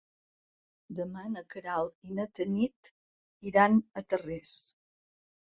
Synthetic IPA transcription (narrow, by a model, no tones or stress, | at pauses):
d̪əmanəkəɾalˠinət̪ənit̪ | iɾanət̪əres